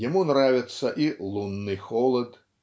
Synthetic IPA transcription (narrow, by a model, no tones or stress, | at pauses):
jamunɾavʲɛt̪sːɐʔilˠunːɨxɔlˠɐt̪